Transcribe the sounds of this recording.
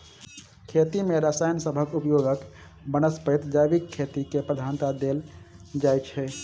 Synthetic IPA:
kʰet̪imeɾəsajnsəbʱəkupjoɡək | bənəspət̪d͡ʒajbikʰːet̪ikepɾəd̪ʱant̪ad̪eld͡ʒajt͡ʃʰɛ

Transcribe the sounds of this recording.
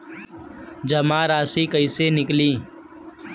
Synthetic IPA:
d͡ʒəmaːɾaːsikəɪsenɪkliː

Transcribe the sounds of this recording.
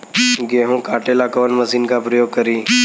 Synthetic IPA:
ɡeːɦũːkaːʈeːlaːkəʋənməziːnkaːpɾəjoːɡ̚kəɾiː

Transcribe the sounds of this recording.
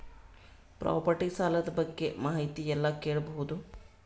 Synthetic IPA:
pɾa̰ːpɐɾʈisaːlɐd̪ɐbɐɡːe̞maːɦit̪ijɛlːɐkeːɭɐbɐɦud̪u

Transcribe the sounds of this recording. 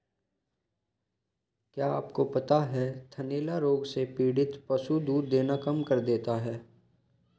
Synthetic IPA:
kjaːaːpkopɐt̪aɦɛt̪ʰɐneːlaɾoːɡsepiːɽɪt̪pɐsud̪uːɾd̪eːnakɐmkɐɾd̪eːt̪aɦɛː

